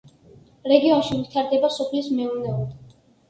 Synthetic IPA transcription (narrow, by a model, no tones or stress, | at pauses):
ɾɛɡiɔnʃivit̪ʰaɾd̪ɛbasɔpʰlismɛunɛuli